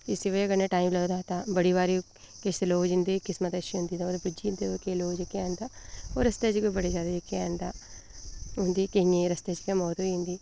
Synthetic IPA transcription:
ɪsiʋəɐɡəɾneːʈaːimləːd̪aːt̪ãːbəɽiːʋaːɾi | keseloːd͡ʒɪnd̪eːkɪsmət̪əʃiɦʊ̃nd̪iːaoːɾbɪd͡ʒind̪ekeloːd͡ʒekːjand̪aːoːɾəst̪eːt͡ʃkobəɽezjaːd̪aːd͡ʒekːjãnd̪aː | ɦʊ̃nd̪iːkɐɦĩːẽɾəst̪eːt͡ʃkemɔːt̪ɦoiɦʊ̃nd̪iː

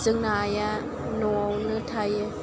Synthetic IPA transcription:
zɯŋnaja | nɔwnɯtʰaj

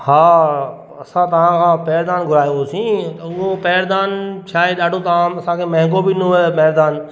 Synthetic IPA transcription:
haː | ɐsãt̪ɐʋ̤ãkʰãːpɛːɾd̪aːnɡʱʊɾaːjõosĩːt̪ʊopɛːɾd̪aːnt͡ɕʰaːɦeɗaːɖʱõt̪ɐʋãɐsãkʰeːmɐ̃ɦɪ̃ŋkobɪɪnuepɛːɾd̪aːn

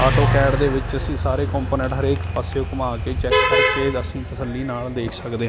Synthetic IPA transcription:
aːʈoːkɛːɖd̪eːʋɪt͡ʃəsĩːsaːɾeːkɔ̃ːmpoːnɛ̃ɳʈɦəɾeːkpəseːʊkmaːkeːt͡ʃɛːkkəɾkeːəsĩːt̪əsəlːiːnaːld̪eːkʰsəkd̪eːɦ

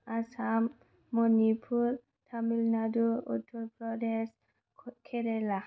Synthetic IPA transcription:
asamː | ɔnipʰul | tʰamilnaduṵtʰɔɾpʰɾɔdɛs | kʰɛɾɛla

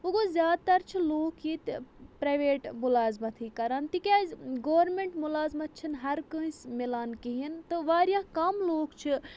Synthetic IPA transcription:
uɡozjaːd̪̚t̪ɐɾt͡ʃʰiloːkjit̪pɾɐjʋeːʈmulaːzmɐt̪ʰikɐɾaːnt̪ikʲazɡoːʋɐɾmeɳʈmulaːzmɐt̪̚t͡ʃʰinɦɐɾkə̃ĩsmilaːnkiɦint̪ɨʋaːɾjakɐmloːkt͡ʃʰi

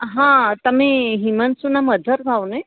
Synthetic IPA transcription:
ɦãt̪əmiːɦimənsunaməd̪ʱəɾɡʱawnə

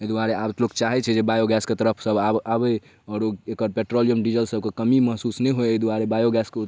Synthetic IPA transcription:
ed̪uaɾeab̪lokt͡ʃaɦɛt͡ʃʰɛd͡ʒebajoɡɛsket̪əɾəpʰsəbʱabe | ɔːɾoekəɾpɛʈɾolijəmɖid͡ʒəlsəb̚kekəmiməɦsusnɛɦoeed̪uaɾebajoɡɛske

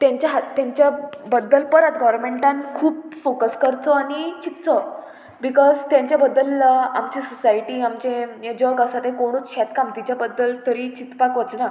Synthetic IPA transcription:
t̪jãɲt͡ɕjaɦt̪jãɲt͡ɕjabəd̪ːəlpəɾat̪ɡɔʋɾmeɳʈãnkʰuːbfokəskəɾt͡sɔanit͡ɕip̪̚t͡sɔ | bikɔzt̪jãɲt͡ɕjabəd̪ːəlːaamt͡ɕisɔsajʈiːamt͡ɕẽjed͡ʑɔɡasat̪ẽkoɽ̃uːt͡sɕɛt̪kamt̪it͡ɕjabəd̪ːəlt̪əɾit͡ɕit̪pakʋət͡sna

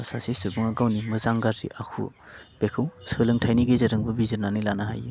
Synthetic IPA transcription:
sasisɯbɯŋaɡawnimɯzaŋɡaɾɾḭʔakʰṵ | b̥ekʰɯwsɯlɯŋtʰajniɡezɯɾɯŋbɯbizɯɾnanɯjlanaɦa̰je

